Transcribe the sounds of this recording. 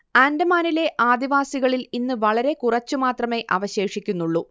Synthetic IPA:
aːndɐmaːnile̞ʔaːd̪iʋaːsiɣɐɭilinːɨʋɐɭɐɾe̞kurɐt͡ɕːumaːt̪rɐme̞ʔɐ̰ʋɐɕe̞ːʂikʲːunːuɭːu

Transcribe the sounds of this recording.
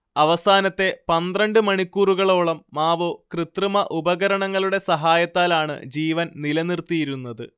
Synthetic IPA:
ɐʋɐsaːnɐt̪ːe̞pɐnd̪rɐɳɖɨmɐɳikʲːuːruɣɐɭo̞ːɭɐmːaːʋoːkrɨt̪rɨmɐʔubɐɣɐɾɐɳɐŋːɐɭuɽe̞sɐɦaːjɐt̪ːaːlaːɳɨ̰d͡ʑiːʋɐnnilɐnirt̪ijiɾunːɐðɨ̰

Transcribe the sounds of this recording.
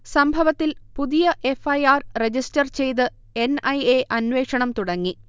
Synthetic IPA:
sɐmbʱɐʋɐt̪ːilpuðijɐʔe̞fɐjaːrred͡ʑistɐrt͡ɕe̞jt̪̬ɨ | e̞nɐjeʔɐnʋe̞ːkʂɐɳɐmt̪uɽɐŋːi

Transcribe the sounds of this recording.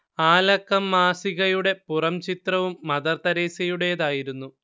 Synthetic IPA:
aːlɐkːɐmːaːsiɣɐjuɽe̞purɐmt͡ɕit̪rɐʋumːɐðɐrt̪ɐɾe̞ːsɐjuɽe̞ðaːjiɾunːu

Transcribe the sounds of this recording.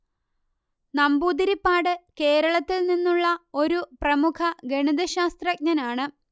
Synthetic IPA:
nɐmbuːd̪iɾipːaːɽɨke̞ːɾɐɭɐt̪ːilninːuɭːɐo̞ɾuprɐmukʰɐɡeɳid̪ɐɕaːst̪rɐk̚ɲɐnaːɳɨ

